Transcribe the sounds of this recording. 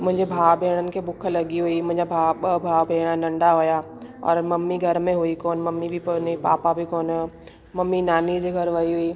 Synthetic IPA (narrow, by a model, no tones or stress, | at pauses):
mʊ̃ɦɪ̃ɲd͡ʑebʱaːʋbʱeːɽ̃ənɪ̆kʰeːbʊkʰə̆lɐɠiɦuimʊ̃ɦɪ̃ɲd͡ʑabʱaːɓɐbʱaːʋbʱeːɽ̃anɐ̃ɳɖaɦuja | ɔ̰ːɾmɐmːiɡʱɐɾmẽɦuikoːnmɐmːibɪnipa̰ːpabʱikoːn | mɐmːinaːnid͡ʑeɡʱɐɾʋɐiɦuiː